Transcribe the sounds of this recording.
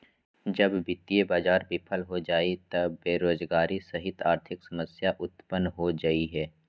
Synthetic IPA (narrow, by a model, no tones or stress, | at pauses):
d͡ʒɐbbɪt̪ːiebaːd͡ʒaːɾbɪpʰəlɦod͡ʒaːit̪ɐbeːɾoːzɡaːɾisɐɦɪt̪aːɾt̪ʰɪksɐməsjaʔʊt̪pənɦod͡ʒaiɦɛː